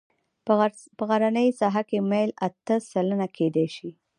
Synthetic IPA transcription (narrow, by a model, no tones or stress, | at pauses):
pəɣaɾanəjsɑɦakemalat̪əsalənakʰed̪eʃi